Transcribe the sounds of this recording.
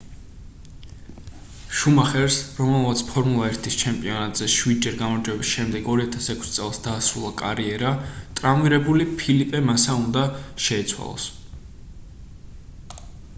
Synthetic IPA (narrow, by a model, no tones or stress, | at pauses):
ʃumaχɛɾsɾɔmɛlˠmat̪sʰpʰɔɾmulˠaɛɾt̪ʰist͡ʃʰɛmpʼiɔnat̪ʼz̥ɛʃwid̪̚d͡ʒɛɾɡamɔɾd͡ʒwɛbisʃɛmd̪ɛɡɔɾiat̪ʰasɛkʷʰst̪sʼɛlˠsd̪̥aːsɾulˠakʼaɾiɛɾat̪ʼɾamiɾɛbulipʰilipʼɛmasaund̪aʃɛːt̪sʰwa̰lˠɔ̰s